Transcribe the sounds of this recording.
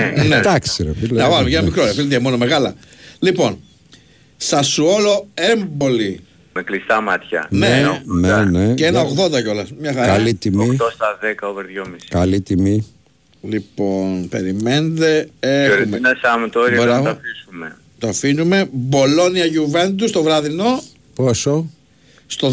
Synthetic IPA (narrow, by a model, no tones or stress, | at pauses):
net̪ɐkseɾot̪ilneɐmʝenɐmikɾoɾiɐfilet̪iemo̞no̞meɣɐlɐlipo̞n | sɐsuo̞lo̞embo̞li | meklist̪ɐmɐt̪çɐ̰neeneneceenɐoɣðo̞nd̪ɐceo̞lɐsmɲɐxɐɾalit̪imit̪ost̪ɐðekɐoveɾðʝomiskɐlit̪imi | lipo̞npe̞̰ɾime̞nd̪e̞eɾumeɐsɐmt̪oɾiɾɐt̪ɐfisume | t̪ofinume̞bo̞lo̞niɐʝuve̞nd̪ust̪o̞vɾɐðino̞ | poso̞ | st̪o̞